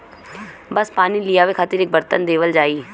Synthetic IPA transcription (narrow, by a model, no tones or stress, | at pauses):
bəspaːnilɪjaːʋekʰət̪ɪɾɪk̚bəɾt̪ənd̪eːʋəld͡ʒaːiː